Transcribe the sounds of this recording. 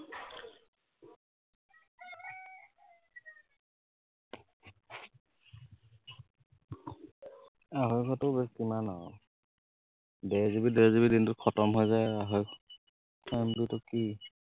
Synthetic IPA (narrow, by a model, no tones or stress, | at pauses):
aɦɔjkʰɔtɔbeskimanɔɔ̰ | dɛzibidɛzibidintʊt̚kʰɔtɔmɦojzajaɦɔjkʰ | mbitʊki